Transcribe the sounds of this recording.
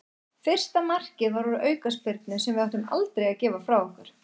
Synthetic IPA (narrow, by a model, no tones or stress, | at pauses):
fɪr̥st̪amar̥cɪðvaɾvɔɾʏʔœːɥkaspɪɾt̪nʏsɛmvɪðaht̪ʏma̰lt̪ɾejacɛːvafɾawɔhkaɾ̥